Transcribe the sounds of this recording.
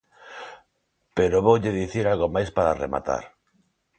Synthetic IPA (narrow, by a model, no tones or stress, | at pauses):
peɾoβowʎeðiθiɾalɣomajspaɾarḛma̰t̪a̰ɾ